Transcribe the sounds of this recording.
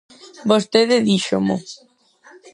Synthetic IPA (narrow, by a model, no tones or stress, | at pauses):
bost̪eðɪðiʃʊmʊ̰